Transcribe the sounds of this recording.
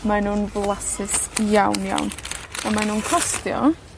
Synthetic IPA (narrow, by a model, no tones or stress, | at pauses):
manuːnvlˠasɪsjawnja̰wnamanuːnkʰɔstjɔ̰